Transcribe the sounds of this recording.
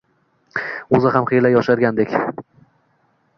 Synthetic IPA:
ɵzɪɦamχejlajɒʃaɾɡʲand̪ekʲ

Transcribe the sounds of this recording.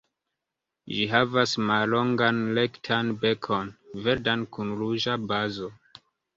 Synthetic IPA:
ʒiɦavasmallo̞ŋɡanlektʰanbe̞kʰo̞nveɾdankunɾuʒabazo̞

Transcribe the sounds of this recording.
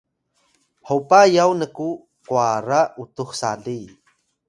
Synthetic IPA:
howpajawnəku | kwaɾaut̪uxsaɮi

